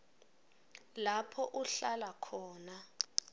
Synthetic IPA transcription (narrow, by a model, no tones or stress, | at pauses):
lapʰɔʔuɬalakʰɔːna